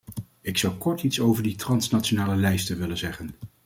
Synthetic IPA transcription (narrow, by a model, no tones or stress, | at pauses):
ɪksɑwkɔɹtitsowvəɹditrɑnsnatt͡ʃonaːləlɛjstəʋɪlənzɛχən